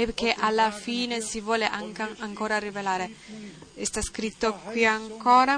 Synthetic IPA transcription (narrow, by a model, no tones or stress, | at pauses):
ɛpk̟eʔalːafiːnesivwɔːleʔaŋkaŋkoːɾarivelaːɾe | est̪askɾit̪ːokwiaŋkɔːɾa